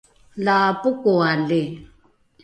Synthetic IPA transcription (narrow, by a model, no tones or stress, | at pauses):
laːpʊkualɪ